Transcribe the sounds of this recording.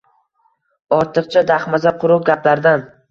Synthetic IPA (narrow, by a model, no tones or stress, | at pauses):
ɒɾt̪ʰɨq̚t͡ʃʰad̪aχmazaqʰʊɾʊq̚ɡʲaplaɾd̪an